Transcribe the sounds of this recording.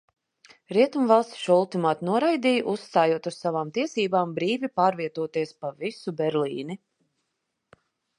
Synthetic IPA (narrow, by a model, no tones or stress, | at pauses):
ɾiɛt̪umvalˠst̪ʲʃulˠt̪imaːt̪nuɔɾajd̪iːjʔussːt̪aːjuɔt̪ussavaːmt̪iɛsiːbaːmbɾiːvipaːɾviɛt̪uɔt̪iɛspavisubʲɛɾliːni